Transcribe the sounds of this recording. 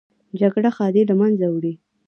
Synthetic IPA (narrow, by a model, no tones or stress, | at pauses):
d͡ʒaɡɽaxɑd̪elamanzawɽi